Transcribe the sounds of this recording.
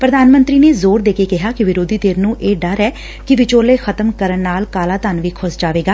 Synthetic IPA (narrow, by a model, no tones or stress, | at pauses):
pɾəd̪aːnmənt̪ɾiːneːzoːɾd̪eːkeːkɪɦaːkɪʋɪɾoːd̪iːt̪eːɾnũːʔeːɖəɾɛː | kɪʋɪt͡ʃoːleːxʰət̪əmkəɾənːaːlkaːlaːt̪anʋiːkʰʊd͡ʒd͡ʒaːʋeːɡaː